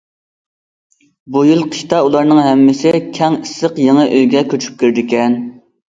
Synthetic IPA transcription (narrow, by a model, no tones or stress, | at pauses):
bujilˠqʰə̥ʃt̪ɑulˠɑɾnɨŋɦɛmːɪsɪkʲʰɛŋisːəqjeŋəʔøjɡʲɛkʲʰøt͡ʃʰy̥p̚kʲyɾd̪ɪkʲɛn